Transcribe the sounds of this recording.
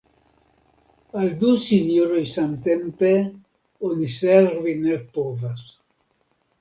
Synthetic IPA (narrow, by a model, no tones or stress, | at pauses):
ald̪usiɲoɾojsant̪empe | onisɛɾvinelpɔvas